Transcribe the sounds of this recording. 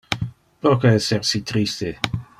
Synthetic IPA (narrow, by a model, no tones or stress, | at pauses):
pɾokaɛsersit̪ɾist̪e